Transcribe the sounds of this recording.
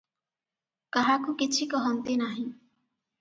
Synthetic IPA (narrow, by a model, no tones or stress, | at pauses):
kaɦakukit͡ʃʰikɔɦɔnt̪enaɦĩ